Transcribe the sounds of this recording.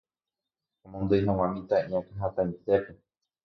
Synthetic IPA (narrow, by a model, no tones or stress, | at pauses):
omõnd̪ojɦãw̃ãmĩt̪aʔĩõkaɦãt̪ãĩt̪e̞pe